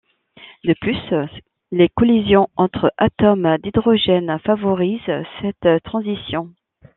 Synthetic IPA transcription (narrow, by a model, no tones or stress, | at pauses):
d̪əplys | lekɔlizjɔ̃ɑ̃t̪χəʔat̪ɔmd̪id̪ʁɔʒɛnfavɔʁizsɛt̪ːχɑ̃zisjɔ̃